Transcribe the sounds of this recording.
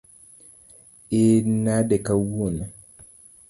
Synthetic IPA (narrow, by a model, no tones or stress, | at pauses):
enadɛkawuona